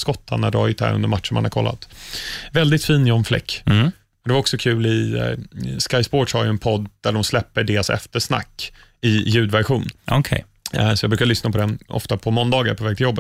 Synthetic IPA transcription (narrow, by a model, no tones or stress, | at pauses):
skɔt̪ʰːa̰nːaɖɔajɪt̪hæ̰ɾɵ̰nd̪əɾmat̪ʂəɳmanha̰ɾkʰɔ̰lːa̰t̪vɛld̪ɪt̪fiːnjɔnflɛ̰kː | ɔd̪ɛvaɾɔksɔkʰʉ̟ːlɪ | skajspɔːʈʂhaɾjɵɛnpʰɔd̪d̪̥æɖɔmslɛpːəɖeːɾasɛ̰ft̪əʂna̰kː | ɪjʉ̟ːd̪væɾɧuːnʔɔkʰɛ | sɔjɑɡbɾʉkaɾɭʏsnapʰɔd̪ɛnɔ̰ft̪apʰɔmɔnd̪ɑːɡa̰ɾpʰɔvɛːɡ̚t̪ʰɪljɔbːət̪